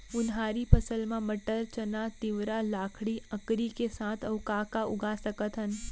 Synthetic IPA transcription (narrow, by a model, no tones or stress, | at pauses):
ʊnɦaːɾipɐsəlmãmɐʈəɾt͡ʃɐnat̪ɪʋɾalaːkʰɽiɐkɾikesaːt̪ʰɐʊkaːkaʊ̰ɡasɐkət̪ɦən